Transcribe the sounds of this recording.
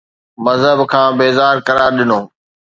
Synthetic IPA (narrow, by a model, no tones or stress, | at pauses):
mɐzɦəbkʰãːbeːzaːɾkɐɾaːɾɗɪnoː